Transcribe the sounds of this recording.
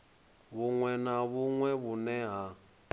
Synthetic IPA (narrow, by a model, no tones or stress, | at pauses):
βuŋwɛnaβuŋwɛβunɛɦa